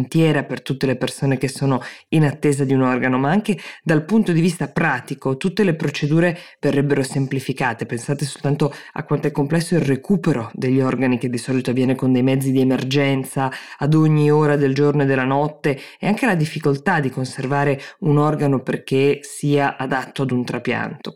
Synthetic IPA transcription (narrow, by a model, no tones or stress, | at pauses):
nt̪jɛːɾapert̪ut̪ːelepersoːnek̟esːoːnoinat̪ːeːzad̪iunɔrɡanomaaŋked̪alpunt̪od̪ivist̪apɾaːt̪ikot̪ut̪ːelepɾot͡ʃed̪uːɾeverːɛbːeɾosemplifikaːt̪epensaːt̪esolt̪ant̪oa̰kːwant̪oɛkːomplɛsːoilrekuːpeɾod̪eʎːiɔrɡaniked̪ːisɔːlit̪oavːjɛːnekond̪ejmɛd̪zːid̪iemerd͡ʒɛnt̪saːd̪oɲːioːɾad̪eld͡ʒornoed̪elːanɔt̪ːeeaŋk̟elad̪ifːikolt̪ad̪ikonservaːɾeunɔrɡanoperk̟esiːaʔad̪at̪ːoad̪unt̪ɾapja̰nt̪o